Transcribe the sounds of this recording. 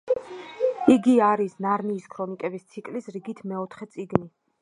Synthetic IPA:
iɡiaɾisnaɾniːskʰɾɔnikʼɛbist̪sʰikʼlisɾiɡit̪ʰmɛɔt̪ʰχɛt̪sʼiɡni

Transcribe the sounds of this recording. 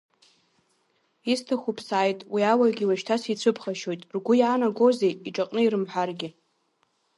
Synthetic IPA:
istʰaχʷupʰsaːjtʼwiawaɡʲiwaʃtʰasit͡sʷʰɨpʰχaʃo̞jtʼrɡʷʊjaːnaɡʷo̞zejiʈ͡ʂʼaqʼnɨiɾɨmħʷarɡʲɪ

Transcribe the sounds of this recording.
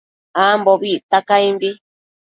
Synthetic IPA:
amboβit̪akaimbi

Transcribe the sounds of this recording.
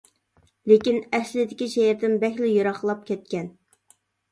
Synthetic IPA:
lekʲinɛslɪd̪ɪkʲiʃɛjɪɾd̪ɪnbɛxʲlɪjoɾɑχlˠɑp̚kʲʰɛt̪̚kʲɛn

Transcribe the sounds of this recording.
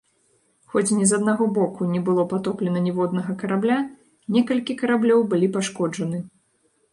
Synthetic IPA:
xɔt͡sʲnʲɛzɐd̪̚naɣɔbɔkunʲɛbɨlˠɔpat̪ɔplʲɛnɐnʲɛvɔd̪nɐɣɐkɐɾablʲa | nʲɛkɐlʲkʲikɐɾablʲɔwbɨlʲipaʂkɔd͡ʐɐnɨ

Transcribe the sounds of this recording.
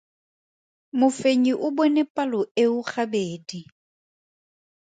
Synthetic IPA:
mʊfeɲiʔʊbɔnɛpʼalɔeʊχabeːdi

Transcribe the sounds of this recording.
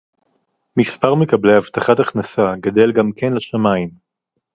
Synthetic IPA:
mispaʁmekablehavt̪aχat̪aχnasaɡad̪e̞lɡamkenlaʃamaim

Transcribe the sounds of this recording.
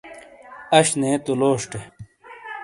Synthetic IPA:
ɐɕneːt̪uloːʂʈe

